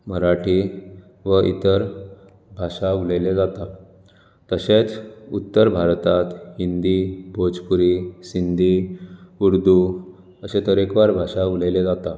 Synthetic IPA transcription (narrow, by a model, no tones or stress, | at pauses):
məɾaʈi | ʋəʔḭt̪əɾ | bʱaʂauləjled͡zat̪a | t̪əɕet͡sut̪ːəɾbʱaɾt̪at̪hind̪ibʱod͡zpuɾisind̪ʱiuɾd̪ʱu | əsẽt̪əɾekʋaɾbʱaʂauləjled͡zat̪a